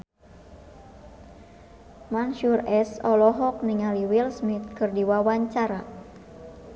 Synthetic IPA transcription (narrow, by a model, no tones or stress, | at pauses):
manʃurɛsɔlɔɦɔk̚niŋaliwilsmit̪̚kɨrdiwawaɲt͡ʃaɾa